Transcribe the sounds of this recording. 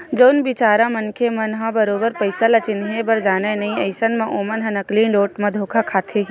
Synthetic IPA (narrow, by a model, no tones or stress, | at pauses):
d͡ʒoːnbɪt͡ʃaːɾãmɐnkʰemɐnɦãbɐɾoːbəɾpɐɪsalɐt͡ʃɪnɦẽbɐɾd͡ʒaːnenɐɦĩɐɪsənmẽʔoːmənɦɐ̃nɐklĩːnloːʈmẽd̪ʱoːkʰakʰaːt̪ʰeɦi